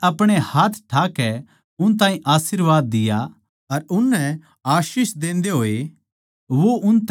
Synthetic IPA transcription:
ɐpɽ̃ehaːt̪ʰʈʰaːkɛ | ʊnt̪aːɦĩʔaːsiɾʋaːd̪ːɪja | ɐɾʊnːɛ̃ | aːʃiːsd̪ẽːnd̪eɦoːe | ʋoʔʊnt̪

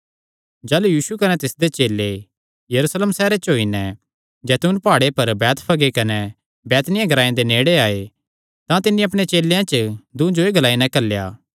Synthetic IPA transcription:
d͡ʒaːlujiːʃukɐnɛt̪ɪsd̪et͡ʃeːlːe | jɐɾuːsleːmsɛːɾet͡ʃɦoːinɛ̃ | d͡ʒɛːt̪uːnpaːɽepɐɾbɛːt̪pʰɐɡekɐnɛ | bɛːt̪nɪjãɡʱɐɾaːjẽd̪eneːɽeaːe | t̪ãt̪ɪnːĩɐpɽ̃et͡ʃeːlːejãt͡ʃd̪ũd͡ʒoeɡʱɐlaːinɛkɐlja̰ː

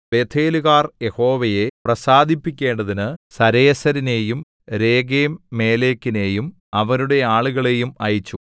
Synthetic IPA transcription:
be̞ːt̪ʰeːluɣaːrje̞ho̞ːʋɐje̞prɐsaːd̪ʱipːikʲːe̞ːɳɖɐðinɨsɐɾeːsɐɾine̞ːjum | ɾe̞ːɡeːmːe̞ːle̞ːkːine̞ːjum | ɐʋɐnuɽe̞aːɭuɣɐɭe̞jumɐjit͡ɕːu

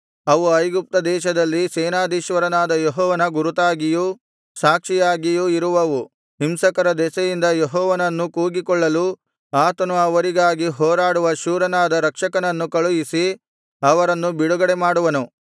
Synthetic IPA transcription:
ɐʋuɐjɡup̚t̪ɐd̪ɛːʃɐd̪ɐlːisɛːnaːd̪iːʃʋɐɾɐnaːd̪ɐjeɦɔːʋɐnɐɡuɾut̪aːɡiju | saːkʂijaːɡijuiɾuʋɐʋu | ɦimsɐkɐɾɐd̪ɛsɐjind̪ɐjeɦɔːʋɐnɐnːukuːɡikɔɭːɐlu | aːt̪ɐnuɐʋɐɾiɡaːɡiɦɔːɾaːɽuʋɐʃuːɾɐnaːd̪ɐɾɐkʂɐkɐnɐnːukɐɭujisi | ɐʋɐɾɐnːubiɽuɡɐɽemaːɽuʋɐnu

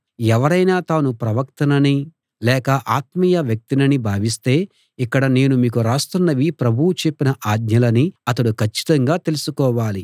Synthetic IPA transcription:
ɛʋɐɾɐjnaːt̪aːnupɾɐʋɐk̚t̪ɐnɐni | lɛːkɐʔaːt̪mijɐʋjɐk̚t̪inɐnibʱaːʋist̪e̞ː | ikːɐɽɐne̞ːnumiːkuɾaːst̪unːɐʋipɾɐbʱuwut͡ʃe̞pːinɐʔaːɡ̪̚ɲɐlɐniɐt̪ɐɽukʰɐt͡ʃːi̥t̪ɐŋɡaːt̪e̞lusukɔːʋaːli

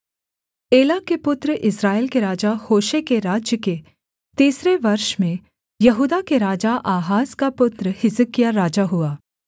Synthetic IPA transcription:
eːlaːkepʊt̪ɾʔɪsɾaːelkeɾaːd͡ʒahoːʃekeɾaːd͡ʒjəke | t̪iːsɾeʋɐɾʃmẽ | jɐɦuːd̪akeɾaːd͡ʒaʔaːɦaːskapʊt̪ɾəhɪzəkɪjaɾaːd͡ʒaɦʊaː

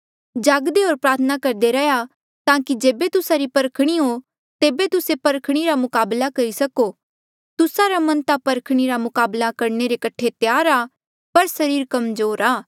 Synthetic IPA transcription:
d͡ʒaːɡd̪eɦoːɾpɾaːt̪ʰənakɐɾd̪eɾɛja | t̪ãːkid͡ʒeːbet̪ʊsaɾipɐɾkʰɽ̃iɦo | t̪eːbet̪ʊsepɐɾkʰɽ̃iɾamʊkaːblakɐɾisɐko | t̪ʊsaɾamɐ̃nt̪apɐɾkʰɽ̃iɾamʊkaːblakɐɾneɾekɐʈʰet̪jaːɾa | pɐɾsɐɾiːɾkɐmzoːɾaː

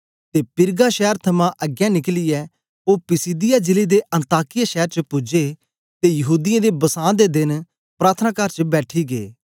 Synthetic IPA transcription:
t̪eːpɪɾɡaːʃɛːɾt̪ʰɐmãʔəɡjãːnɪklɪjɛː | oːpɪsiːd̪ɪjaːd͡ʒɪled̪eʔɐ̃nt̪aːkɪjaʃɛːəɾt͡ʃəpʊd͡ʒeː | t̪ejɐɦuːd̪ɪãːd̪ebɐsãːd̪ed̪ɪn | pɾaːt̪ʰənaːkɐɾt͡ʃəbɛːʈʰiɡḛː

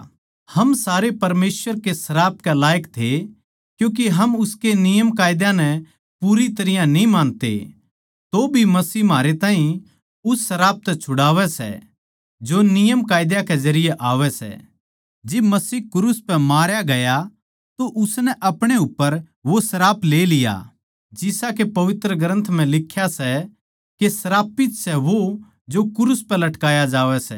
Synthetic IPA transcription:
hɐmsaːɾepɐɾmeːsʋəɾkesɐɾaːp̚kɛlaːjəkt̪ʰe | kjũːk̬iɦɐmʊskenɪjəmkaːjɪd̪jãnɛ | puɾit̪ɐɾɪjãnĩmãːnt̪ḛ | t̪obʱimɐsiːmaːɾet̪ãːɦĩ | ʊsːɐɾaːp̚t̪ɛt͡ʃʰʊɽaːʋɛsɛ̰ | d͡ʒonɪjəmkaːjd̪jakezɐɾɪjeʔaːʋɛsɛ̰ | d͡ʒɪbmɐsiːkʊɾʊspɛmaːɾjaɡɐja | t̪oʔʊsnɛʔɐpɽ̃eʊpːəɾ | ʋosɐɾaːpleːlɪja̰ | d͡ʒɪsakepɐʋɪt̪ɾəɡɾə̃nt̪ʰm̤ɛ̃lɪkʰːjasɛ | kesɐɾaːpɪt̪sɛʋo | d͡ʒokʊɾʊspɛlɐʈkaːjad͡ʒaːʋɛsɛ̰

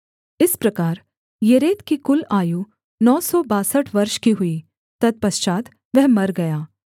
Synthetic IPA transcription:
ɪspɾɐkaːɾ | jeɾeːt̪kikʊlaːju | nɔːsɔbaːsəʈʰʋɐɾʃkiɦʊi | t̪ɐd̪̚pɐst͡ʃaːt̪ | ʋɛɦmɐɾɡɐjaː

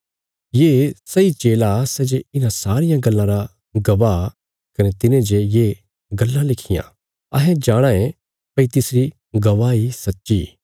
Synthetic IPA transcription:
jeːsɐit͡ʃeːlasɛd͡ʒeɪnãsaːɾɪjãɡɐlːãɾa | ɡɐʋaː | kɐnet̪ɪnẽd͡ʒejeː | ɡɐlːãlɪkʰɪjã̰ː | ɐɦɛ̃d͡ʒaːɽ̃ãẽ | pɐit̪ɪsɾi | ɡɐʋaːisɐtːʃḭ

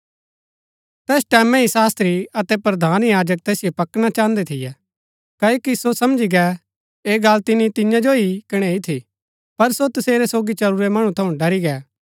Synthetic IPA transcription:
t̪ɛːsʈɛːmɛ̃ɦisaːst̪ɾiɐt̪ɛpɾɐd̪ʱaːnjaːd͡ʒək̚t̪ɛːsijopɐkɽ̃at͡ʃãːnd̪ɛt̪ʰɪjɛ | kɐːjoːkisosɐmd͡ʒiɡɛ | eːɡɐlt̪ɪnit̪ɪjãd͡ʒoikɪɽ̃ɛit̪ʰi | pɐɾsot̪ɐseːɾɛsoːɡit͡ʃɐɾuɾɛmɐɽ̃ũt̪ʰɐũɖɐɾiɡɛː

